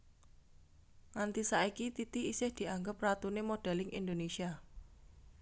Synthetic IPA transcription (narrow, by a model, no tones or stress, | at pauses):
ŋant̪isaikit̪it̪iisɪhd̪̥i̤aŋɡəp̚rat̪unemoɖ̥a̤lɪŋḭnd̪onesia